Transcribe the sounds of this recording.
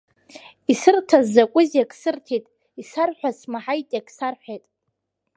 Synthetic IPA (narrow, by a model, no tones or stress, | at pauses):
isɨrtʰazːakʷʼʊzjakʼsɨrtʰejtʼ | isarħʷᶣasmaħajtʼjakʼsarħʷᶣejtʼ